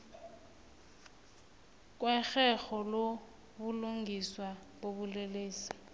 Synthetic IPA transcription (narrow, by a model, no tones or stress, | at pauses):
kʼwɛɣɛɣɔlo | bʊloŋɡʱiswabobuleleːsi̥